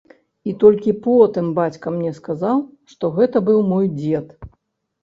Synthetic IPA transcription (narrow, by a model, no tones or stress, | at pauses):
it̪ɔlʲkʲipɔt̪ɨmbat͡sʲkɐmnʲɛskazawʂt̪ɔɣɛt̪ɐbɨwmɔjd͡zʲɛt̪